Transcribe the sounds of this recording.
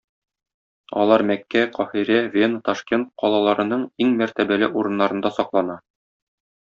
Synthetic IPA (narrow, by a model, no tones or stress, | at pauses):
ɒ̰lˠɑɾmækːæqɒhiɾævʲent̪ɒʃkʲe̞nt̪̚qɒlˠɑlˠɑɾɤ̆nɤɴiŋmæɾt̪æbælɘʔuɾɤ̆nːɑɾɤ̆nd̪ɑsɒqlˠɑnɑ